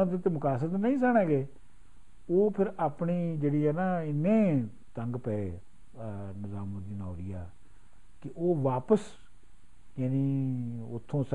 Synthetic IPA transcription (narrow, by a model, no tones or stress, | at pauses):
ãːd̪et̪emʊkaːs̬ət̪nəĩːs̬ɛːɽ̃ẽːɡeː | oːpʰɪɾaːpɳiːd͡ʒeːɽiːɛːnaːɪnːẽː | t̪əŋɡpɛeː | nɪzaːmõːd̪iːnãːɾiːaː | kɪʔoːʋaːpəs | jaːniːʊt̪ʰːõːs